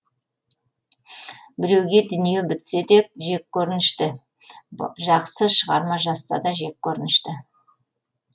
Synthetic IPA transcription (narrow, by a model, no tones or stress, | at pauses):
bɪɾe̞wɡʲe̞d̪ʏnije̞bɪt̪sed̪e̞k̚ʒe̞kʲʰːɵɾɪnɪʃt̪ɪ | ʒɑqsəʃəʁɑɾmɑʒɑsːɑ̰d̪ɑʒe̞k̚ʲʰːɵɾɪnɪʃt̪ɪ